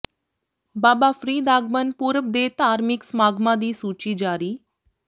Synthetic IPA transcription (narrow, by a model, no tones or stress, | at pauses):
baːbafɾiːd̪aːɡmənpuːɾəb̚d̪eːt̪aːɾmiksmaːɡʱmãd̪iːsuːt͡ʃiːd͡ʒaːɾiː